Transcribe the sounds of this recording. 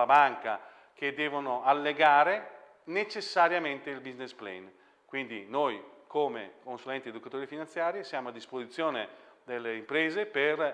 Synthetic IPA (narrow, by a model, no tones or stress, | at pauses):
abaŋka̰ | k̟ed̪ːɛːvonoalːeɡaːɾe | net͡ʃesːaɾjament̪eilbiznesplḛn | kwind̪ḭnojkʰoːmḛkonsulɛnt̪ied̪ukat̪oːɾifinant̪sjaːɾjesjaːmoad̪ːispozit̪sːjoːned̪elːeimpɾeːzeper